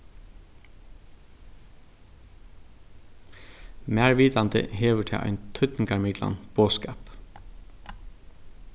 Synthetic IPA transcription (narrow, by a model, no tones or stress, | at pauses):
mæːɹʋiːd̪ɑnd̪ə̰heːʋəʈʰɪ̰ʔɑ̰ɪnt̪ʰʏt̪n̩kɑɹmɪɡlɑ̰nb̥oːskɑːp